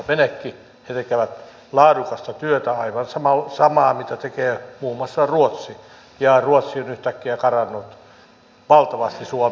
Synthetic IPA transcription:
ʋenekːi | het̪ekeʋæt̪ | lɑːdukɑst̪ɑt̪yøt̪æɑiʋɑnsɑmɑsɑmɑːmit̪æt̪ekeːmuːmːɑsːɑruot̪si | jɑruot̪sionyht̪ækːiækɑrɑnːot̪ | ʋɑlt̪ɑʋɑst̪isuo

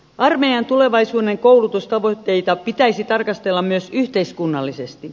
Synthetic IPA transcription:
ʔɑrmejɑnt̪ule̞ʋɑisuːdeŋkoulut̪ust̪ɑʋot̪ːe̞it̪ɑpit̪æisit̪ɑrkɑst̪elːɑmmyøsyht̪e̞iskunːɑlːisest̪i

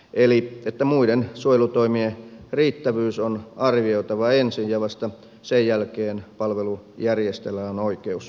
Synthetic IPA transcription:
eliet̪ːæmuidensuojelut̪oimieriːt̪ːæʋyːsonɑrʋioit̪ɑʋɑensijjɑʋɑst̪ɑ | sejjælkeːnpɑlʋelujærjest̪elːˑæːonoikeus

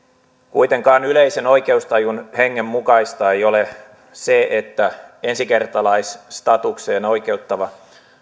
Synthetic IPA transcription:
kuit̪e̞ŋkɑːnyleise̞no̞jke̞ust̪ɑjunheŋːemːukɑist̪ɑejo̞le | seʔet̪ːæe̞nsike̞rt̪ɑlɑisst̪ɑt̪ukse̞ːno̞ike̞uwt̪ːɑʋɑ

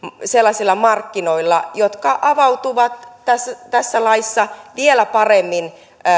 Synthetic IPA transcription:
selːɑsilːɑmɑrkːinoilːɑjot̪kɑʔɑʋɑwt̪uʋɑt̪tæst̪æsːælɑisːɑʋielæpɑremːin

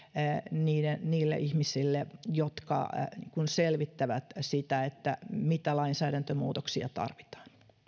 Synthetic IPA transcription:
niːdenniːlːḛʔihmisilːejot̪kɑ̰iŋkunselʋit̪ːæʋæt̪sit̪æet̪ːæmit̪ælɑinsæːɾænt̪ømuːt̪oksiɑ̰t̪ɑ̰rʋit̪ɑ̥ːn

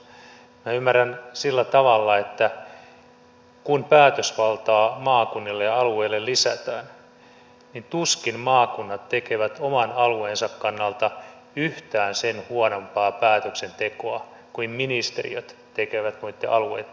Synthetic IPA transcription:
minæymːærænsilːæt̪ɑʋɑlːɑet̪ːæ | kunpæːt̪øsʋɑlt̪ɑːmɑːkunːilːeɑlueːlːellisæt̪æːn | nint̪uskinmɑːkunːɑt̪t̪ekeʋæt̪omɑnɑlueːnsɑkkɑnːɑlt̪ɑ | yht̪æːnsenhuonompɑːpæːt̪øksent̪ekoɑ | kuimminist̪erḭøt̪ | t̪ekeʋæt̪nuit̪ːeʔɑluḛjt̪

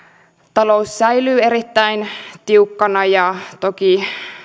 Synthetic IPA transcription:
t̪ɑlo̞usːæjlyːe̞ɾit̪ːæjnt̪iukːɑnɑjɑt̪oki

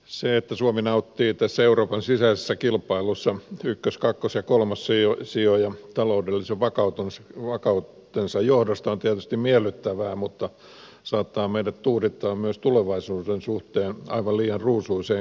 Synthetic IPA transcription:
seet̪ːæsuominɑut̪ːiːt̪æsːæeuroːpɑnsisæisesːækilpɑilusːɑykːøskɑkːosjɑkolmɑssiosiojɑt̪ɑloudelːiseʋʋɑkɑut̪unʋɑkɑut̪ːensɑjjohdɑst̪ɑont̪iet̪yst̪immiɛlːˑyt̪ːæʋæːmut̪ːɑ | sɑːt̪ːɑːmeidæt̪t̪uːrit̪ːɑːmmyøst̪uleʋɑisuːdensuht̪eːnɑiʋɑlliːɑrruːsuiseː

